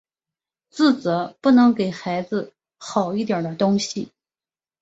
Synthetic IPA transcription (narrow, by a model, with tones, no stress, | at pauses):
t͡sɹ̩˥˩t͡sɤ˧˥pu˥˩nɤ˧˥ŋke˨˩ɪxa˧˥ɪd͡zɹ̩˧ | xɑ˨˩ʊi˥˩t̪ja˞˨˩d̪ə˦t̪ʊ˥ŋɕi˨